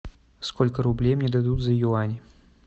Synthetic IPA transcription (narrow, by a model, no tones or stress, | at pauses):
skɔlʲkɐɾublʲejmnʲɛd̪ad̪ud̪ʲzɐjuanʲi